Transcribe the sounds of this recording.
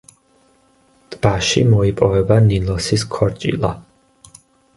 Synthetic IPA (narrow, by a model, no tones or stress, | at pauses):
d̪̥b̥aʃḭmɔipʼɔvɛbanilɔsiskʰɔɾt͡ʃʼḭlˠa̰